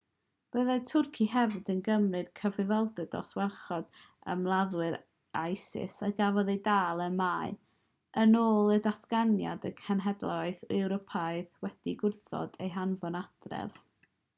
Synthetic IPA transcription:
b̥əðatʰʊrkʰiɦɛvdənɡəmrɨd̥kʰəvɨvɔlˠdɛd̥ɔ̰swɛrχɔd̥ə̰mlˠaðwɨɾ | ajsɪ̰saɡavɔðejdaːlˠəmaːɨ | ənoːlˠədatʰɡ̥anja̰dəkʰɛnɦɛdlˠɔɨðɪwɾɔpʰajðwɛd̥iɡʊrθɔ̰d̥ejɦanvɔnad̥rɛ̰v

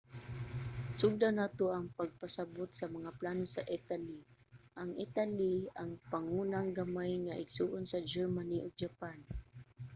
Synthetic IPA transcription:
sʊɡ̚d̪anaːt̪oʔɐŋpaɡ̚pasabʊt̪sɐmaŋaplaːnosaʔit̪aliʔaŋʔɪt̪aliaŋpaŋuːnaŋɡamajŋaʔɪɡsuʔonsɐd͡ʒɛɹmaniʔoɡ̚d͡ʒapan

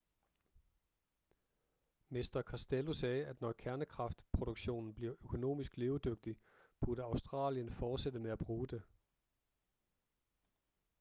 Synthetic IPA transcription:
mesd̥ɐkʰɑsd̥elusɛːæd̥nɒkʰæɐnəkʰʁɑ̈fd̥pʰʁo̝d̥oɡ̥ɕo̝̰ːnn̩b̥liɐʔøkʰo̝no̝̰ːmisɡ̥le̝ːʊd̥øɡ̥̚d̥i | b̥uɐɾ̥əɑ̈ʊsd̥ʁɑ̰̈ːljənfɒːd̥sed̥əmeæb̥ʁuːd̥e̝

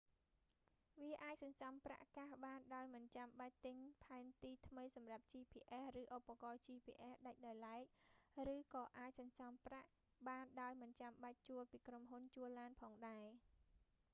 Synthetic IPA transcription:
ʋiəʔaːc̚sɑɲsɑmpra̰ʔkaːhɓaːnɗaɔjmɨnt͡ɕamɓac̚t̪ɨɲpʰaɛnt̪iːt̪ʰməjsɑmrap̚t͡ɕiːpʰḭːʔehrɨːʔopːakɑːt͡ɕiːpʰḭːʔehɗac̚ɗaɔjlaɛk̚rɨːkɑːʔaːc̚sɑɲsɑmpraʔ | ɓaːnɗaɔjmɨnt͡ɕamɓac̚t͡ɕuəlpiːkromɦunt͡ɕuəlːaːnpʰɑːŋɗaɛ

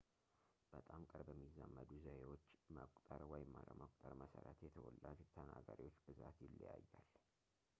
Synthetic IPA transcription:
b̥ət̪ʼamkʼɨɾbəmːizːamːəd̪uzəhewot͡ʃːməkʷʼt̪ʼəɾwɔjɪmːalə̰wməkʼt̪ʼəɾməsəɾət̪jɛt̪ʰəwɔlːad͡ʒt̪ʰənaɡaɾiwo̞t͡ʃːb̥ɨzat̪jɪlːəjajːal

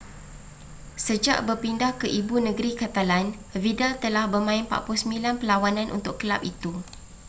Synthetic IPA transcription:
səd͡ʒa̰ʔbərpindahkəʔibunə̃ɡɾikat̪alan | vidalt̪əlahbərmãɪnpa̰ʔpʊlsəmilanpəlawanãnʔṵnt̪ʊʔkəla̰p̚it̪u

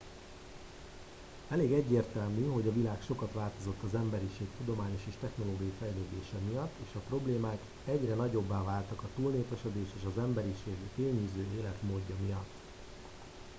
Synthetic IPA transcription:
ɛleːɡɛɟːeːrt̪ɛlmyɦo̞ɟɒvilaːkʃo̞kɒt̪ʋaːlt̪o̞zo̞t̪ːɒzɛmbɛɾiʃeːkt̪ud̪o̞maːɲo̞ʃeːʃt̪ɛxno̞loːɡijɒifɛjleːd̪eːʃɛmijɒt̪ːeːʃɒpro̞bleːmaːk | ɛɟrɛnɒɟo̞bːaːvaːlt̪ɒkɒt̪ulneːpɛʃɛd̪eːʃeːʃɒzɛmbɛɾiʃeːɡfeːlɲyːzøːeːlɛt̪moːɟːɒmijɒt̪ː

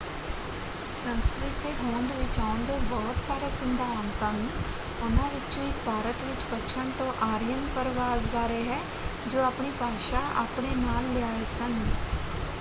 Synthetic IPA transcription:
sə̃nskɾɪt̪eːɦoːnd̪eːʋɪt͡ʃaːʊɳd̪oːbɔːt̪saːɾaːsɪ̃nd̪ʱaːaːmt̪ãːnĩː | ʊnãːʋɪt͡ʃõɪkbʱaːɾət̪ʋɪt͡ʃpətːʃʰəɳt̪õːʔaːɾijənpəɾʋaːzbaːɾeːɦɛː | d͡ʒoːaːpɳiːpaːʃaːʔa̰ːpɳeːnaːlːɪaːesən

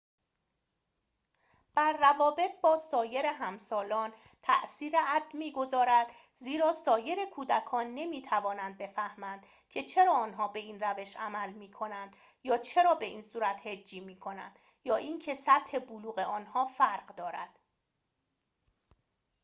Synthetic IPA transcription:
b̥æɾːævɒːbe̞t̪̚ʰbɒːsɒːje̞ɾeɦæmsɒːlɒːn | t̪ʰæ̰ʔsiːɾeʔæd̪ːmiːɡo̞zɒːɾæd̪ | ziːɾɒːsɒːje̞ɾekʰuːd̪ækʰɒːnːe̞miːt̪ʰævɒːnænd̪̚be̞fæhmænd̪̥ | cʰe̞t͡ʃʰe̞ɾɒːɒːnɦɒːbe̞iːnræve̞ʃʔæmælmiːkʰo̞nænd̪̥ | jɒːt͡ʃʰe̞ɾɒːbe̞ʔiːnsuːɾæt̪he̞d͡ʒːiːmiːkʰo̞næ̰nd̪̥ | jɒːʔiːncʰe̞sæt̪he̞buluːɣe̞ɒːnhɒːfæɾɢd̪ɒːɾæ̰d̪̥

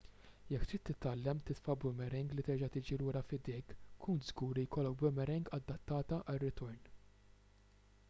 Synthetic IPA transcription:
jɛkːt̪ɪːt̪ːɪt̪ɐlːɛmt̪ɪt̪fɐbʊmɛɾɪŋɡlit̪ɛɾd͡ʒɐt̪ɪːd͡ʒiluːɾɐfɪd̪ɪːkkʰːuːnt̪zɡuːɾijkɔlːɔkbʊmɛɾɪŋɡɐd̪ːɐt̪ːɐːt̪ɐʔɐrːɪt̪ɔɾn

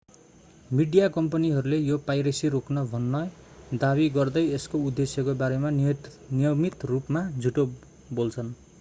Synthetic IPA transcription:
miɖijakʌmpʌniɦʌɾulejopajɾesiroknʌbʱʌnːʌ | d̪abiɡʌrd̪ʌjeskoud̪ːesjʌkobaɾeman | nijʌmit̪rupmad͡zʱuʈo | bolt͡sʰʌn

